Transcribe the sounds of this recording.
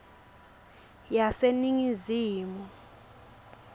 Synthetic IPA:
jaseniŋiziːmɔ

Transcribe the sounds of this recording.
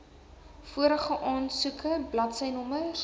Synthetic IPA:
fuəɾəχəʔɑːnsukʰəblɐtsɛjnɔmə

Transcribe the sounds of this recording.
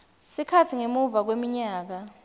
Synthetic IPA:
sikʰatʰiŋemuvak̬wemiɲaːk̬a

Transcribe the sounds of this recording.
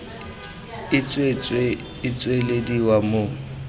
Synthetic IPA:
ɪt͡sʼwet͡sʼweː | t͡sʼwelediwamoːŋ̩

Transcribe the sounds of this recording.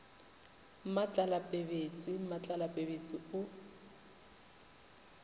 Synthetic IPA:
mat͡ɬʼalapʼebet͡sʼimat͡ɬʼalapʼebet͡sʼiʊ

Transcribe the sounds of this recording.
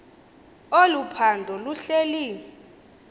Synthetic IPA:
olupʰandʱɔluɬeliːi

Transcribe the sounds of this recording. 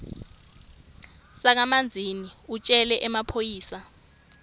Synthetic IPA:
sak̬amand͡zʱiniut͡ʃʼɛlɛʔɛmapʰojiːsa

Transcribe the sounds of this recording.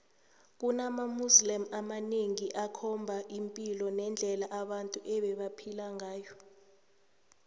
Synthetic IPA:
k̬unamamuslɛmamaneŋiʔakʰɔmbʱaʔimpʼilɔnɛnd͡ɮʱɛlaʔaɓantʼuʔɛɓɛɓapʰilaŋʱaːjɔ

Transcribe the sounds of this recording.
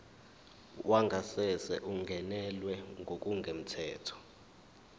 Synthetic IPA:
wʔaŋɡʱasɛsɛ̰ʔuŋʱɛnɛlwɛŋɡʱok̬ʼuŋɡʱem̩tʰɛːtʰɔ̥

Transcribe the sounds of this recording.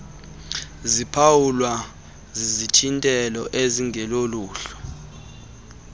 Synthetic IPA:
zipʰawulwa | zizitʰintʼɛlɔʔeziŋʱɛloluːɬɔ̥

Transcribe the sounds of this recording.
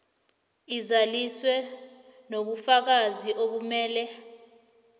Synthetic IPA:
izaliswɛ | noɓ̬ufak̬aziʔok̬umɛːlɛ

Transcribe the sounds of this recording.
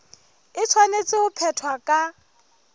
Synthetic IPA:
ɪt͡sʰwanet͡sʼɪʊpʰɛtʰwakʼa

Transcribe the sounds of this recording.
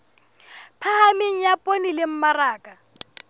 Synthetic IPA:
pʰahamɪŋ̩japʼonilɪm̩maraːkʼa

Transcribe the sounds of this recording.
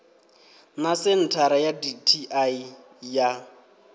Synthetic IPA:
nasɪn̩tʰaɾajaditʰiʔai | ja

